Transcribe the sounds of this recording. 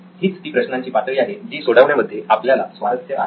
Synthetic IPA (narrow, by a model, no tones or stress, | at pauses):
ɦiːt͡st̪iːpɾəɕnãɲt͡ɕiːpat̪ʋiːaɦed͡ʑiːsoɽəʋɳjaməd̪ʱːjeʔapljalasʋad̪ət̪ʰjəa̰